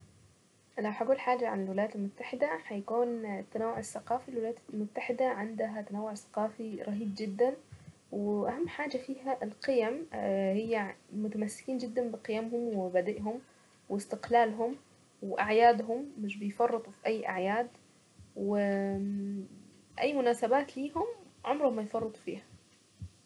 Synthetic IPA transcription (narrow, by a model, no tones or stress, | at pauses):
ʔlawħaɡuːlħaːd͡ʒaʕa̰nɪlwɪlajaːt̪ɪlmʊt̪ːaħɪd̪aħajakuːnt̪ːanawːʊʕɪsːaqɑːfilwɪlajaːt̪lmʊt̪ːaħɪd̪aʕɪnd̪ɦat̪anawːʊʕsḁqɑːfiɾˤɑɦiːbd͡ʒɪd̪ːan | wɪʔaɦamːħaːd͡ʒafiːɦaʔɪlqɪjamhɪjːamʊt̪amasːɪ̥kiːnd͡ʒɪd̪ːanbɪqɪjamɦʊmwɪbad̪ɪʔɦʊm | wɪst̪ɪqlaːlɦʊm | wɪʔaʕjaːd̪ɦʊmːɪʃbɪjfɑrˤːɨt̪ˤufiʔajːʔa̰ʕjaːd̪ | wɪ | ʔajːmʊnaːsabaːt̪liːɦʊmʕʊmɾʊhmːajfɑrˤːɨt̪ˤfḭːhḁ